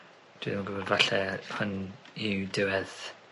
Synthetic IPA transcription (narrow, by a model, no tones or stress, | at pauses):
d̥wḭːðmnɡʊbɔdvaɬɛhʊnidɪwɛð̥